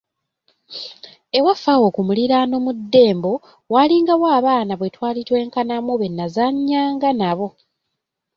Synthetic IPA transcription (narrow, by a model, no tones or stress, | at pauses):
e̞wafawo̞kumuliɾano̞mudːe̞ːmbo̞ | waliŋɡawoaaβaːnaβwe̞twaːlitwe̞ːŋkanamoβe̞nːazaɲːaːŋɡanaβo̞